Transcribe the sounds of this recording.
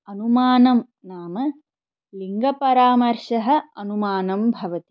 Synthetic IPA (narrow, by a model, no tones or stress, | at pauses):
ɐnumaːnɐm | naːmɐ | liŋɡɐpɐɾaːmɐɾʃɐɦɐ̆ɐnumaːnɐmbʱɐʋɐt̪i̥